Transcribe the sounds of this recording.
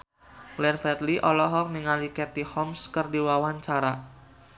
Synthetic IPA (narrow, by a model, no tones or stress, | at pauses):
ɡlɛnfɛt̪liʔɔlɔɦɔk̚niŋalikɛt̪ihɔmskɨrdiwawaɲt͡ʃaɾa